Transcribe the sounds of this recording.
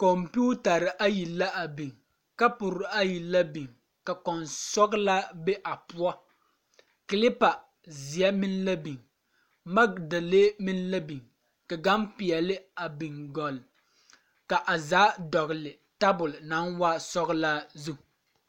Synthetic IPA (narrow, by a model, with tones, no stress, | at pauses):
kɔ˨mpi˦u˦ta˨ɾɪ˨ʔa˦ji˨lːa˦ʔa˨bi˨ŋ | ka˦pʊ˨ɾʊ˨˦a˦ji˨lːa˦bi˨ŋ | ka˨kɔ˨nsɔ˦ɡlaː˦be˦ʔa˨pu˦a˦ | ki˨lɪ˦pa˨ | zi˨ɛ˦mi˦n˦la˦bi˨ŋ | ma˦kda˨le˦mi˦n˦la˦bi˨ŋ | ka˨ɡa˦mpi˨ɛ˨lɪ˦a˨bi˨ŋɡɔ˨l | ka˨ʔa˨zaː˨˦dɔ˨ɣlɪ˨ | ta˦bʊ˨lna˨˦nwa˦sɔ˦ɣlaː˦zu˦˨